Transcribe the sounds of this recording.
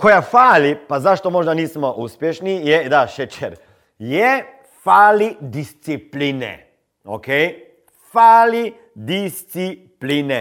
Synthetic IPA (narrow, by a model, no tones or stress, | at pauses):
kɔjafaːlipazaʃt̪ɔmoːʒnaniːsmɔʔuspjeʃnijɛd̪aʃɛt͡ʃɛɾ | jɛ | faːlid̪ist̪sipliːnɛ̰ | o̰kej | faːli | d̪ist̪siplinɛ